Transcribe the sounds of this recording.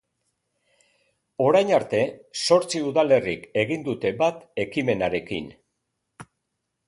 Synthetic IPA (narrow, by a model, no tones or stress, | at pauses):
o̞ɾajnaɾt̪e̞so̞ɾt͡siuðale̞rike̞ɣind̪ut̪e̞bat̪e̞kime̞naɾe̞kḭn